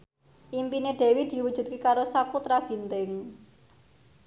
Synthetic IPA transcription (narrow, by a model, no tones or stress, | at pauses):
ʔimpineɖ̥e̤wid̪̥i̤wu̥ʒ̥ṳt̪̚kekaɾosakut̪ɾaɡ̥i̤nt̪ɪŋ